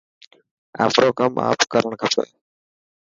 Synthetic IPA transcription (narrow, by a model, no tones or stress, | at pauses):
a̰ːfʰɾoːkəmʔa̰ːpkəɾəɳkʰəpʰo̰j